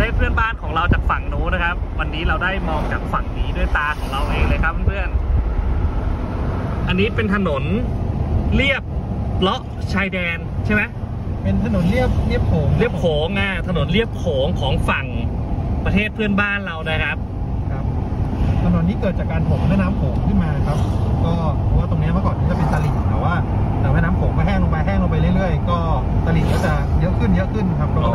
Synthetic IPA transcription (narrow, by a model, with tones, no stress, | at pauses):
a˧e˥˩pʰɯ˥˩ənbaː˥˩nkʰɔː˩˦ŋɾa˧wt͡ɕaː˨˩k̚fa˨˩ŋnuː˦˥na˦˥kʰa˦˥p̚wa˧nːiː˦˥ɾa˧wdaː˥˩jmɔː˧ŋt͡ɕaː˨˩k̚fa˨˩ŋniː˩˦du˥˩əjt̪aː˧kʰɔː˩˦ŋɾa˧wʔeː˧ŋlɤː˧jkʰa˦˥p̚ːa˧˥npʰɯ˥˩ən | ʔa˧nːiː˦˥pe˧nt̪ʰa˧no˩˦n | li˥˩əp̚lɔ˦˥ | t͡ɕʰaː˧jdɛː˧nt͡ɕʰa˥˩jma˦˥ | pe˧nt̪ʰa˧no˩˦nli˥˩əp̚li˥˩əp̚kʰoː˩˦ŋli˥˩əp̚kʰoː˩˦ŋʔaː˧˩t̪ʰa˧no˨˩˦nli˥˩əp̚kʰoː˩˦ŋkʰɔː˩˦ŋfa˨˩ŋ | pɾa˧eː˥˩t̪̚pʰɯ˥˩ənbaː˥˩nɾa˧wnaː˥˩jkʰa˦˥p̚ | kʰa˦˥p̚t̪ʰa˧no˩˦nːiː˦˥kɤː˨˩t̪̚a˨˩kːaː˧npʰo˨˩˦ŋna˦˥˨naː˦˥mkʰoː˩˦ŋkʰɯ˥˩nmaː˧na˦˥˩kʰa˦˥p̚kɔː˥˩ɔ˧waː˥˩t̪o˧ŋni˦˥ɐmaː˥˩kɔː˨˩niː˦˥t͡ɕa˨˩pe˧nsa˧li˨˩t̪̚t̪ɛː˨˩waː˥˩ | t̪aː˨˩waː˧˥˩naː˦˥mkʰoː˩˦ŋmaː˧˩ɦʰɛː˥˩ŋloː˧ŋpa˧jɦɛː˥˩ŋlo˧mpa˧jɾɯ˥˩jɾɯ˥˩əjkɔː˥˩ | sa˧li˨˩kɔː˥˩t͡ɕa˨˩jɤ˦˥ʔkʰɯ˥˩njɤ˦˥ʔkʰɯ˥˩n˧kʰa˦˥p̚ʰːɔ˦˥